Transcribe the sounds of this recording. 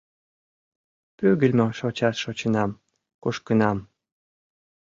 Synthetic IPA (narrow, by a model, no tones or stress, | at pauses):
pyɣəlʲmoʃot͡ɕɑt̪ʃot͡ɕənɑm | kuʃkənɑm